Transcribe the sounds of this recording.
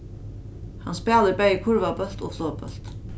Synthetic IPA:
hɑnspæːləbæjəkʰʊɾvabœl̥t̪oːfloːbœ̰l̥t̪

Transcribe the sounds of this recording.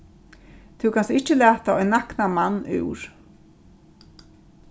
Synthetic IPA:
t̪ʰʉwkʰansɪht͡ɕəlæːt̪aɔʏnːaknamanːʉ̰wɹ̥

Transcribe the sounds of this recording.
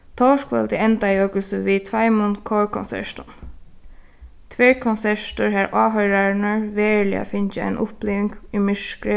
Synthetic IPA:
t̪ʰɔʂkʋɛ̰lt̪ɪɛnt̪ajoːkəlsəʋit̪ʰvajmʊnkʰɔːɹkʰɔnsɛ̰ʂt̪ʊn | t̪ʰʋɛːɹkʰɔnsɛʂt̪ʊɹɦaːɾʔaːɦœjɾaɹɪnaɹʋeːɹlɪ̰a̰fɪnt͡ʃɪa̰ɪnʔʊplɪːʋɪŋkimɪʂkɾɪ

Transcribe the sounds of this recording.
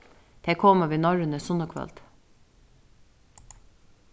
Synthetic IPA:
d̪̥ekʰɔːməʋiːnɔɹənəsʊnəkʰʋɑ̰lt̪

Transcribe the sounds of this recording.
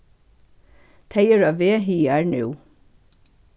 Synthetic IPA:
t̪ʰæɪəɹɑːʋeːɦiːæːɹnʉ̰ː

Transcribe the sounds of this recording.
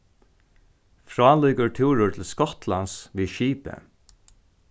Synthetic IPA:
fɹaːluːkəɹt̪ʰuːɹʊɹt̪ʰɪlskɔt̪lansʋiːʃiːpə̰

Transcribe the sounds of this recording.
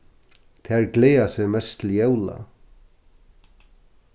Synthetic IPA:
t̪ʰɛɹɡleːasɛmɛst̪ʰɪljɛwla̰

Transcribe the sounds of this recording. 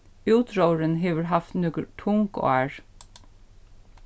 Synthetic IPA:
ʉːt̪ɾoːɹənɦeːʋəɾhɑft̪nʉɡəʈʰʊŋko̰ːæːɹ

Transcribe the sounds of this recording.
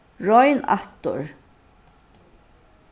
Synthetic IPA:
ɹɔjna̰ht̪ʊ̰ɹ

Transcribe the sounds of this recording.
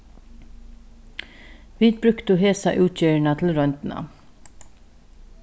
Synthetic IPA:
ʋiːd̪̚bɾʉkt̪ʊheːsɑ̰ʔʉːt̪ʰçøːɹɳɑt̪ʰl̩ɾɔnt̪n̩ɑ̰

